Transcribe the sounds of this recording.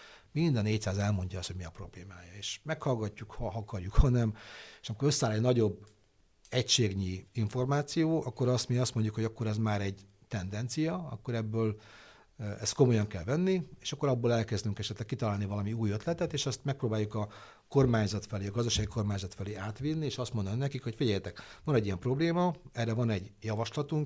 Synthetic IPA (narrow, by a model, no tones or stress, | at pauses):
mind̪ɒneːc̚tsaːzɛlmo̞ɲɟɒɒst̪hoɟmiɒpro̞bleːmaːjɒeːʃmɛkhɒlɡɒcːukhɒɦɒkɒrjukhɒnɛme̥ːʃɒmikoɾø̞sːaːlɛɟnɒɟo̞bː | ɛcʃeːɡɲiiɱfo̞rmaːt̪sijoːʔɒkːo̞ɾɒst̪miːɡɒst̪moɲɟukho̞ɟɒkːo̞ɾɛzmaːɾɛɟ | t̪ɛnd̪ɛnt̪sijɒɒ̰kːo̞ɾɛbːøːl | ɛst̪̚ko̞mo̞jɒŋkɛlvɛnːieːʃɒkːo̞ɾɒbːoːlɛlkɛzd̪yŋkɛʃɛt̪lɛkːit̪ɒlaːlnivɒlɒmiuːjøt̪lɛt̪ɛt̪eːʃɛst̪mɛk̚proːbaːjːukɒ | ko̞rmaːɲzɒt̪fɛleːɒɡɒzd̪ɒʃaːɡikʰo̞rmaːɲzɒt̪fɛleːaːt̪ʋinːieːʃɒst̪mo̞nd̪ɒninɛkikho̞cfiɟɛjɛt̪ɛkʋɒnɛɟiɛmpro̞bleːmɒɛrːɛvɒnɛɟjɒvɒʃlɒt̪uŋk